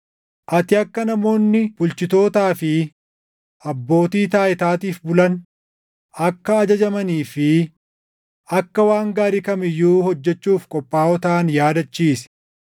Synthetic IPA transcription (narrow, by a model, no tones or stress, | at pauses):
ʔɐt̪ɪɐkːɐnɐmo̞ːnːɪb̥ʊlt͡ʃɪt̪o̞ːt̪aːfɪ | ʔɐbːo̞ːt̪iːt̪aːjɪt̪aːt̪iːfbʊlɐn | ɐkːɐːd͡ʒɐd͡ʒɐmɐniːfɪ | ɐkːɐwaːŋɡaːɾɪkɐmɪjːuːhɔd͡ʒːɛt͡ʃːuːfkʼɔpʼːaːɔt̪aːnjaːd̪ɐt͡ʃːiːs